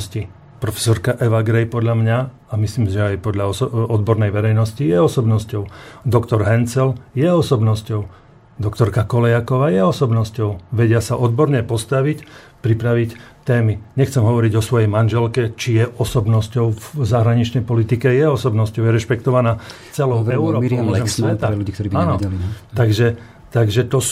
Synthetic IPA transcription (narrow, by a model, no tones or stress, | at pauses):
sci | pɾɔfɛ̥sɔɾkaʔɛʋaɡɾɛjpɔd̪ʎamɲa | amisliːmʒɛajpɔd̪ʎaɔɔd̪̚bɔɾnɛjʋɛɾɛjnɔscijɛɔsɔbnɔscɔʊd̪ɔkt̪ɔɾɦɛnt͡sɛljɛɔsɔbnɔscɔʊ | d̪ɔkt̪ɔɾkakɔlɛjakɔʋaːjɛɔsɔbnɔscɔʊʋɛɟɪasaʔɔd̪bɔɾɲɛpɔst̪aʋic | pɾipɾaʋict̪ɛːmiɲɛxt͡sɛmɦɔʋɔɾiɟɔsʋɔjɛjmanʒɛlkɛt͡ʃijɛʔɔsɔbnɔscɔʊvzaɦɾaɲit͡ʃnɛjpɔlit̪ikɛjɛɔsɔbnɔscɔʊjɛɾɛʃpɛkt̪ɔʋanaː | t͡sɛlɔʊɛʊɾɔːɾɛmsʋɛt̪aluɟiːkt̪ɔɾiːbiaːnɔɛlit̪aɡʒɛ | t̪aɡʒɛt̪ɔ